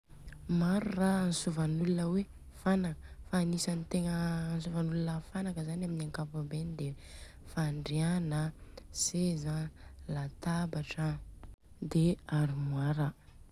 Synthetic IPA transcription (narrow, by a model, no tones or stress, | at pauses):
maɾuranisuvanulunəwe | fanakəfanisanit̪eŋənsuvanulunəfanakəzanaminiaŋkapabend̪e | faɳɖ͡ʐeanasezalat̪abaʈ͡ʂə | d̪eaɾimwaɾə